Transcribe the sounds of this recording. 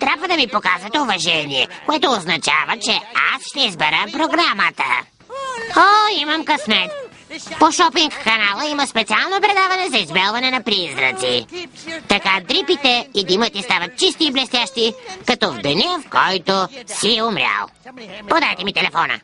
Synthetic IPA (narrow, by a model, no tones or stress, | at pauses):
t̪ɾʲabvəd̪ɐmipokazɛt̪ɛovɐʒɛniɛ̰koɛt̪oːznɐt͡ʃavət͡ʃɛa̰sʃt̪ɛizbɛɾəpɾoɡɾamət̪ə̰ | oimɐmkɐsmɛt̪ | poʃɔpiŋkːɐnalˠəiməspɛt̪sialˠnopɾɛd̪avɐnɛzɐizbɛlˠvɐnɛnɐpɾizɾə̰t̪sit̪ɐkad̪ɾipit̪ɛid̪imət̪ist̪avɐt̪̚t͡ʃist̪iːblɛst̪jaʃt̪ikɐt̪ɔvd̪ɛnʲɛfkɔjt̪osiɛomɾʲja̰lˠpod̪avjt̪ɛmit̪ɛlɛfɔnɐ̰